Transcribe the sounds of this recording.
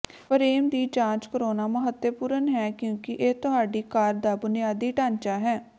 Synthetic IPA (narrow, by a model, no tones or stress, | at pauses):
pəɾeːmd̪iːd͡ʒãːt͡ʃkəɾoːnaːməɦət̪ːjəpuːɾənɦɛːkjõːkɪʔeːt̪ʊɦaːɖiːkaːɾd̪aːbʊnijaːd̪iːʈãːnt͡ʃaːɦɛː